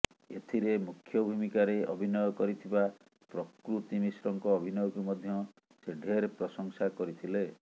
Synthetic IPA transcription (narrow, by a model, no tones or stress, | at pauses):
et̪ʰiɾemukʰːjɔbʱumikaɾeɔ̰bʱinɔjɔkɔɾit̪ʰiba | pɾɔkɾut̪imisɾɔŋkɔːbʱinɔjɔkumɔd̪ʱjɔ | seɖʱeɾpɾɔsɔŋsakɔɾit̪ʰile